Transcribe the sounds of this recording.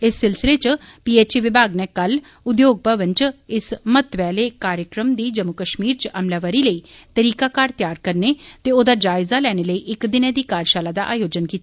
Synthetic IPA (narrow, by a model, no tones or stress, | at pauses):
ɪsːɪlsɪleːt͡ʃpiːeːt͡ʃiʋɪbʱaːɡnɛːkəl | ʊd̪joːɡ̚pəʋə̃ɲt͡ʃɪsmət̪ʋɛːleːkaːɾjəkɾəmd̪iːd͡ʒəmːʊkəʃmiːɾt͡ʃʔəmlaːʋəɾiːləiːt̪əɾiːkaːkaːɾt̪jaːɾkəɾneːt̪eːoːd̪aːd͡ʒaːɪzaːlɛːñeləiːʔɪkd̪ɪnẽːd̪iːkaːɾʃaːlaːd̪a̰ːʔaːjoːd͡ʒənkiːt̪a